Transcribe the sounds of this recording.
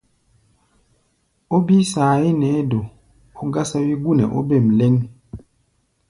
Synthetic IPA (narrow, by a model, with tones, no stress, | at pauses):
o˦bi˦saː˨e˦nɛ˨˦do˨ | o˦ɡa˦sa˦wi˦ɡu˦˨nɛ̰˨ʔo̰˦be˦˨m̩˨le˦n